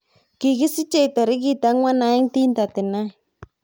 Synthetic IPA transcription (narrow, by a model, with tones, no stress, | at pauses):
ki˨ɣi˦si˦t͡ʃe˨t̪a˨ɾi˦ki˦t̪a˨˦ŋwa˦na˧˦i˦ŋt̪i˦nt̪a˨t̪ɪ˨na˦i˨